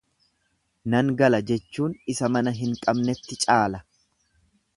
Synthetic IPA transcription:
nɐŋɡɐlɐd͡ʒɛt͡ʃːuːnɪsɐmɐnɐɦɪŋkʼɐbnɛt̪ːɪt͡ʃʼaːlɐ

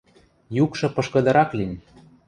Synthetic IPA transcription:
jukʃɤ̆pɤ̆ʃkɤ̆d̪ɤ̆ɾɑklinʲ

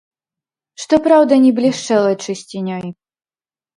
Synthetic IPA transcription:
ʂt̪ɔpɾawd̪ɐnʲiblʲiʂt͡ʂɛlˠɐt͡ʂɨsʲt͡sʲinʲɔj

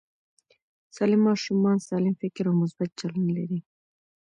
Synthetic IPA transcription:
sɑlimːɑʃumɑnsɑlɪmfɪkɾawmʊs̬bat̪̚t͡ʃalanlaɾi

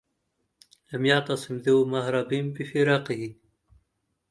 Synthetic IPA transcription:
lɐmjɑt̪ɑsimd̪emahɾɑbimbifiɾɑqiɦi

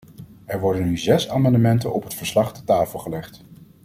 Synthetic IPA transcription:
ɛɹʋɔɹdənːyzɛsaːmɑndəmɛntənɔpɦətfəɹslɑχtətaːfəlˠχəlɛχt

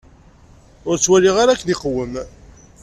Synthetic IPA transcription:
ʊɾt͡sːwæliʁaɾakːðɪqwəm

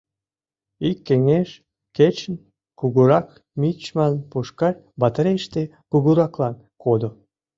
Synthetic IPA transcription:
ikːeŋeʃ | ket͡ɕən | kuɣuɾɑk | mʲit͡ɕmɑnpuʃkɑl | bɑt̪ɾeʃt̪ekuɣuɾɑklɑn | kʰod̪o

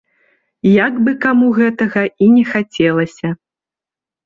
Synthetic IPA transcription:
jaɡbɨkamuɣɛt̪ɐɣɐinʲɛxat͡sʲɛlˠɐsʲɐ

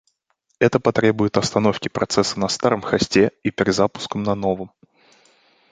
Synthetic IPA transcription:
ɛt̪əpɐt̪ɾʲe̞bʊjɪt̪ɐst̪ɐno̞fkʲɪpɾʔɐt̪sɛsːənɐst̪aɾəmxɐsʲtʲeipʲɪɾʲɪd̪zapʊ̥skəmnɐno̞vəm

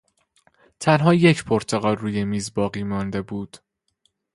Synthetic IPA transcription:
t̪ʰænɦɒːje̞cʰpʰoɾt̪ʰeɣɒːlruːjemiːzbɒːɣiːmɒnd̪e̞buːd̪̥

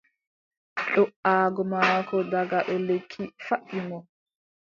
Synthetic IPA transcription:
ɗɔʔaːɡɔmaːkʰɔdaɡaɗɔlekʰːifaʔːimɔ

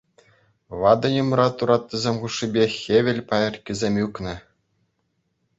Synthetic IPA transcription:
ʋɑd̪ɤ̆nʲumrɑt̪uɾɑt̪ʲːɤ̆zʲemʲχuʂːibʲexʲeʋʲɘ̆lʲpɑjɤ̆rʲkʲizʲemʲjyknɘ̆

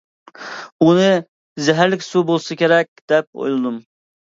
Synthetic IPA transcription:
unɨ | zɛɦæɾlɪkʲsubolˠsɑkʲʰeɾɛkʲd̪ɛp̚o̰jlˠɨd̪um

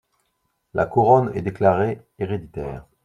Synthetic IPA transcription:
lʔa̰kuʁɔnɛ̰d̪eklaʁe | eʁed̪it̪ɛ̰ːʁ

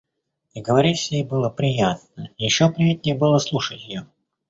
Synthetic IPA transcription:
iɡəvɐɾʲisʲjejbɨlˠəpɾʲɪjat̪̚nəjɪɕːopɾʲɪjat̚ʲnʲɪjəbɨlˠəslˠuʂətʲjɪjo

